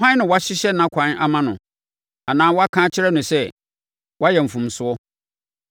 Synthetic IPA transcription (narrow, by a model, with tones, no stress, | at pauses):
ã˦n˦nɪ̃˨wɔ˦a˦ɕɪ˦ɕɛ˦nã˦kʷʰã˨˦na˨mã˦nʊ̃˨ | a˨nãː˦wɔ˦a˦kʰãː˦t͡ɕʰɪ˦ɾɛ˦nʊ̃˨sɛ˦ | wʔa˦jɛ˨m̩˨fũ˨msʊ˦ɔ˦